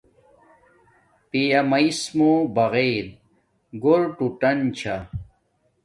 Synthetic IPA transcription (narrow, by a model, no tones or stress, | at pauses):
pijɐmɐismobɐɣeɾ | ɡoɾʈuʈɐnt͡ɕʰa